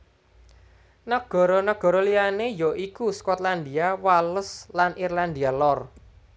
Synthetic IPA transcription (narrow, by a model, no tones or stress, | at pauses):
nəɡ̥ɔ̤ɾɔnəɡ̥ɔ̤ɾɔlianejɔʔikuskɔt̪land̪iawaləslanirland̪ialɔr